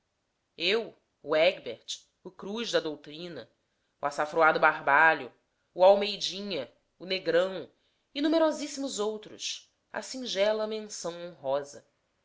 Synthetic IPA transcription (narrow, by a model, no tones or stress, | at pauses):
ew | ʊɛɡbeɾt͡ʃ | ʊkɾuʒd̪ɐd̪owt̪ɾĩnɐ̰ | uasafɾoad̪ʊbaɦbaʎʊː | awmejd͡ʒĩɲɐ | uneɡɾɐ̃w̃ | inumeɾɔzisimʊzowt̪ɾʊ̰s | a̰sĩŋʒɛlɐmẽnsɐ̃w̃õɦɔzɐ